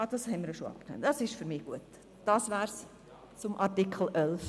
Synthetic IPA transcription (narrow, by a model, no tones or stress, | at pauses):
ɑd̥ɑshɛnmiɾjʃoɑ̰p̚knø̰nd̥ɑsɪʃfyɾmiɡ̥uət | d̥ɑːsvæːrs | t͡sʊmʔɑrtikʰl̩ʔœlf